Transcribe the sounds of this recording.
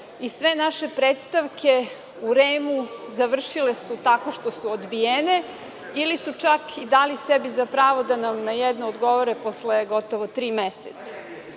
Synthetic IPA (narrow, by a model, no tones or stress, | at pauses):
isʋe̞naʃe̞pɾeːt̪st̪aʋkʰe | uɾeːmuzaʋr̩ʃilesut̪ako̞ʃt̪o̞suod̪bijene | ilisut͡ʃakʰid̪alisebizapɾaːʋo̞d̪anamnajɛd̪noːd̪ɡo̞ʋoɾeposleɡot̪oʋot̪ɾiːmeset̪sḁ